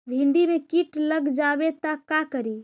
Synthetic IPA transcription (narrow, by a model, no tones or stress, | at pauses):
bʱĩɳɖimekiʈləɡd͡ʒabet̪akakəɾi